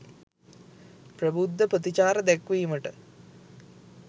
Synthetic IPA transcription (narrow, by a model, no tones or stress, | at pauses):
prɐbud̪ːɐpɐt̪it͡ɕaːɾɐd̪ekʋijumɐʈɨ